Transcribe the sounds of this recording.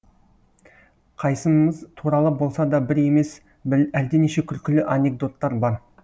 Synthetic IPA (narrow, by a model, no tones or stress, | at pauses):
qʰɑjsəməzt̪ʰuɾɑlˠəbo̞lˠsɑd̪ɑbɪɾe̞me̞s | bæld̪eneʃe̞kʲʰʏlkʲɪlɪʔane̞ɡ̚d̪o̞t̪ːɑɾbɑɾ